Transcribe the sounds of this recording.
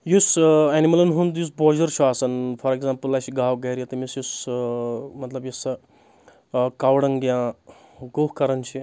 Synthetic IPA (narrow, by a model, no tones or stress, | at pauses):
jusɛnimɐlɐnɦund̪jus̬boːd͡ʒɐɾt͡ʃʰuaːsɐnfʰɐɾekzãːmpəlːat͡ʃʰiɡaːwɡɐɾijɐt̪ɐmisjus | mɐt̪lɐbjusɐ | kaːwɽɐŋɡjãː | ɡohkɐɾɐnt͡ʃʰi